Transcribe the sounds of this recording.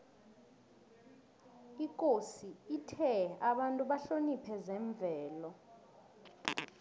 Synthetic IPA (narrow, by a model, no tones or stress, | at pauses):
ikʼosiitʰɛaɓantʼuɓaɬonipʰɛzɛɱb̪vʱɛːlɔ